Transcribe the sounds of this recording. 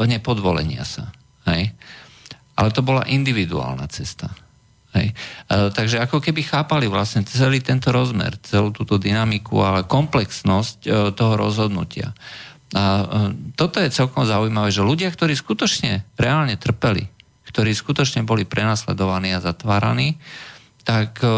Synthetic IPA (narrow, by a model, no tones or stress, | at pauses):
ɲɛpɔd̪ʋɔlɛ̰ɲɪa̰sa | hɛj | ʔalɛt̪ɔbɔla̰ʔind̪iʋid̪ṵa̰ːlna̰t͡sɛst̪a | hɛ̰jt̪aɡʒɛakɔkɛbixaːpaliʋlasɲɛt͡sɛliːt̪ɛnt̪ɔɾɔzmɛ̰ɾt͡sɛlut̪uːt̪ɔd̪inamikṵalɛkɔmplɛksnɔsct̪ɔɦɔɾɔ̰zɦɔd̪nṵcɪa̰ | at̪ɔt̪ɔjɛt͡sɛlkɔmzaujmaʋɛːʒɛluɟɪakt̪ɔɾiːskut̪ɔt͡ʃɲɛɾɛaːlɲɛt̪r̩pɛlḭ | kt̪ɔɾiːskut̪ɔt͡ʃɲɛbɔlipɾɛnaːslɛ̰d̪ɔʋaniːazat̪ʋaːɾa̰niː | t̪ak